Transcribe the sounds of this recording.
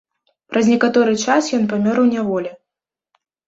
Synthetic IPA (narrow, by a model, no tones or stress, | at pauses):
pɾʔɐzʲnʲɛkat̪ɔɾɨt͡ʂasjɔnpamʲɔɾwnʲɛvɔlʲɛ